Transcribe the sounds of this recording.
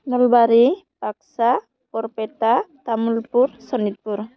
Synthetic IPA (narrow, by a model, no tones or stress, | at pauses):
mɔlbaɾi | paksa | pɔɾpetat̪amulpuɾsɔnit̪̚puɾ